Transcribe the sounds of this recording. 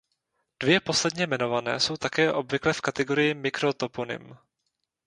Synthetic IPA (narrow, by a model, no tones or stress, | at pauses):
d̥vjɛpo̞slɛdɲɛmɛno̞vanɛ̰ːso̞wt̪akɛːʔo̞bvɪklɛfkat̪ɛɡo̞ɾɪjɪmɪkɾot̪oponɪ̰m